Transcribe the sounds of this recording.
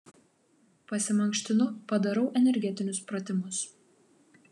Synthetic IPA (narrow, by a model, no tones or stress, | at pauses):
pɐsʲɪmɐŋʲkʃʲt̪ʲɪnʊpɐd̪ɐɾɐʊʔɛnʲɛɾʲɡʲɛt̪ʲɪnʲʊspɾɐt̪ʲɪmʊs